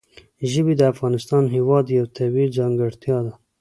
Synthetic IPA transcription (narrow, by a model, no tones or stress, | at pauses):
ʒəbid̪əafɣɑnɪst̪ɑnɦewɑd̪jawt̪ʰabild͡ʒɑŋɡəɽt̪jɑd̪a